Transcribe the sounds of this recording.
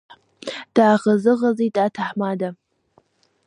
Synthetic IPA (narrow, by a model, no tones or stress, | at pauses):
d̥aːʁɐzɨʁɐzitʼaːtʰaħmaːda